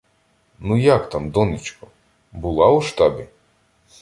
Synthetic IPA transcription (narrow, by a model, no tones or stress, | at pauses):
nujakt̪amd̪ɔnɪt͡ʃkɔ | bʊlˠɑuʃt̪ɑbʲi